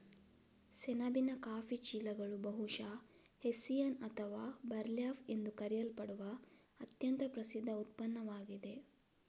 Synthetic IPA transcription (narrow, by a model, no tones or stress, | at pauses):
sɛnɐbinɐkaːfit͡ʃiːlɐɡɐɭubɐɦuʂaː | hesijɐnɐt̪ʰɐʋaːbɐɾljaːfe̞nd̪ukɐɾijɐlpɐɽuʋɐ | ɐt̪jɐnt̪ɐpɾɐsid̪ʱːɐut̪̚pɐnːɐʋaːɡid̪e̞